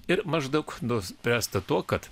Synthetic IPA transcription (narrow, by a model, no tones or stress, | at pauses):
ɪɾmɐʒd̪ɐʊknʊspʲɾʲæːst̪ɐt̪uɔkɐt̪